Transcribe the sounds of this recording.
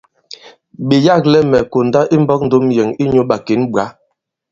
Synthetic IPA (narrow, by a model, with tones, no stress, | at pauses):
ɓi˨ja˦˨k̚lɛ˦mɛ˨ko˨nda˦ʔi˦m˦bɔ˦k̚n̩˦do˦mjɛ˨ŋi˦ɲo˨˦ɓa˨ke˨˦nɓɰa˨˦